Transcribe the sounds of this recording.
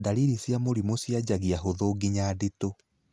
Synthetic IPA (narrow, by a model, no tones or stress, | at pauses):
daliɾisjamoɾimosjad͡ʑaɣiaɦoðoːɡiɲaːdito